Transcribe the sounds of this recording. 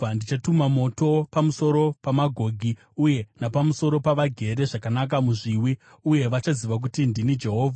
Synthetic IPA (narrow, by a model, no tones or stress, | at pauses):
andit͡ʃatumamo̞to̞pamuso̞ɾo̞pamaɡʱo̞ɡʱi | uje̞napamuso̞ɾo̞paʋaɡʱe̞ɾe̞ʐakanak̬amuʐiwi | uje̞ʋat͡ʃaziʋak̬utindinid͡ʒe̞ɦoːvʱa